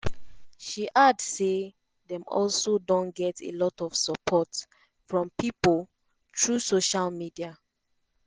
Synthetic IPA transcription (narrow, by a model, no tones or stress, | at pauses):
ʃiʔadse | dɛ̃mɔ̰lsodõnɡɛtʰḛlɔtɔv̥səpʰɔt | fɹɔ̃mpipol | tʰɹusoʃalmidia